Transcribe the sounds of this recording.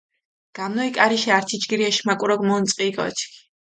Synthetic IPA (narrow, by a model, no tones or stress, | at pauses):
ɡ̥amnɔikʼaɾiʃiaɾt̪ʰit͡ʃɡiɾiɛʃimakʼuɾɔɡʼmɔnt̪sʼqʼiːkʼɔ̰t͡ʃʰkʰi̥